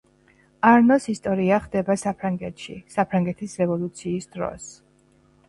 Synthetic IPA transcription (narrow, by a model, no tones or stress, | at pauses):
aɾnɔsist̪ʼɔɾiaχd̪ɛbasapʰɾaŋɡɛt̪ʰʃḭsapʰɾaŋɡɛt̪ʰisɾɛvɔlˠut̪sʰiːsd̪ɾɔ̰s